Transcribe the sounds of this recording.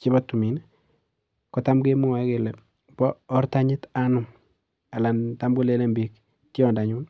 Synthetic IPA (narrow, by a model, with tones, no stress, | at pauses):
t͡ʃi˦bɔ˦tːu˨mi˨n | kɔ˨tamɡe˦mu˦a˨˦ke˨le˨ | bɔː˦ɾta˦ɲɪ˦ta˦nʊ˨m | a˨la˨nta˦mɡu˦le˦le˦mbi˦k | tjɔ˨nda˨ɲu˦n